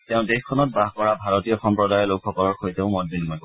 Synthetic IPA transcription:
tɛʊ̃dexkʰːɔnɔt̚baɦkɔɹabʱaɹotijɔxɔmpɹɔdajɔlokʰːɔkɔlɔɹxoiteʊ̃mɔt̚dinmɔjko

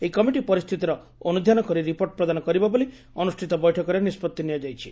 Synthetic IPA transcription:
eikɔmiʈipɔɾist̪ʰit̪iɾɔ | ɔnud̪ʱjanɔkɔɾiɾipoɾʈɔpɾɔd̪anɔkɔɾibabɔli | ɔnusʈʰit̪ɔbɔjʈʰɔkɔɾenispɔt̪ːiniad͡ʒajt͡ʃʰi

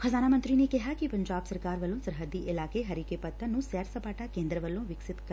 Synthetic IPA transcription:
xʰəzaːnamənt̪ɾinekɪɦakipɐɲd͡ʒaːbsɐɾkaːɾʋəlːõsəɾɦəd̪ːiʔɪlaːkeɦɐɾiːkepət̪ʰːənũsɛːɾsəpaːʈakẽːnd̪ɾəʋəlːõʋɪksɪt̪

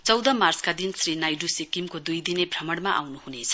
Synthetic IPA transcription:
t͡sʌwd̪ʌmart͡skad̪insrinajɖusikimkod̪ujd̪inebʱrʌmʌɽmaʔa̰wnuhunet͡sʰʌ̥

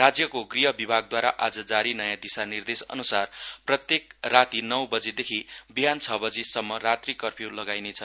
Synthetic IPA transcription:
rad͡zjʌkoɡriɦʌbibʱaɡ̚d̪waɾaʔad͡zʌd͡zaɾinʌjãd̪isanird̪esʌ̰nusarprʌt̪jekrat̪inʌwbʌd͡zed̪ekʰibiɦant͡sʰʌbʌd͡zesʌmːʌɾat̪rikʌrpʰjolʌɡajnet͡sʰʌ

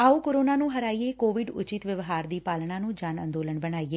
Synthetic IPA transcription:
aːuːkoːɾoːnaːnũːɦəɾaːiːeːkoːʋɪɖʊ̰t͡ʃɪt̪ʋəʋɦaːɾd̪iːpaːlɳãːnũːd͡ʒaːnə̰̃nd̪oːləɳbəɽ̃aːiːeː

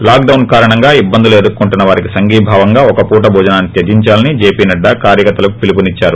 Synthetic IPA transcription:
laːk̚ɖɐwnkaːɾɐɳɐŋɡaːibːɐnd̪ileːd̪ukːuɳʈunːɐʋaːɾikisɐŋɡiːbʱaːʋɐŋɡaːɔkɐpuːʈ̬ɐbʱɔːd͡ʒɐnaːnːit̪jɐd̪iɲt͡ʃaːlɐnid͡ʒeːpiːnɐɖːɐkaːɾjɐkɐt̪ːɐlɐukupilipunit͡ʃːaːɾu

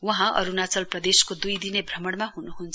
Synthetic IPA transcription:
wʌɦãʔʌ̰ɾunat͡sʌlprʌd̪eskod̪ujd̪inebʱrʌmʌɽmaɦunuɦunt͡sʰ

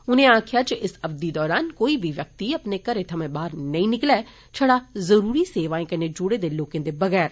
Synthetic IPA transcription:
ʊnẽãːkʰjat͡ʃeʔɪsɐbd̪id̪ɔːɾaːnkoːibʱiʋjɐk̚t̪iɐpnekɐɾet̪ʰɐmẽbaːɾnɐĩnɪklɛː | t͡ʃʰɐɽazɐɾuːɾiseːʋaːẽkɐned͡ʒʊɽed̪eloːkẽnd̪ebɐɣɛːɾ

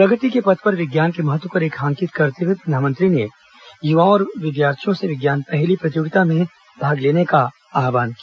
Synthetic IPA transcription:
pɾɐɡəʈ̪ikepɐt̪ʰpɐɾʋɪɡjaːnkemɐɦət̪ːwəpɐɾeːkʰãːŋkɪt̪kɐɾt̪ewipɾɐnd̪ʱaːmə̃nt̪ɾine | juʋãɔːɾʋɪd̪jaːɾt̪ʰijõseʋɪɡjaːnpɛɦlipɾɐt̪joːɡɪt̪amẽ | bʱaːɡleːneka | aːʋaːnkijaː

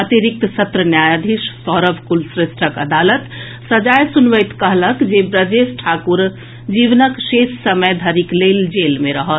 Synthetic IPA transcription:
ət̪iɾik̚t̪sət̪ɾənjaːjad̪ʱiʃsɔːɾəbʱkulsɾesʈʰəkə̰d̪alət̪ | səd͡ʒajsunʋəjt̪kəɦləkd͡ʒebɾəd͡ʒesʈʰakuɾ | d͡ʒiʋnəksessəməjd̪ʱəɾikleld͡ʒelmẽɾəɦət̪

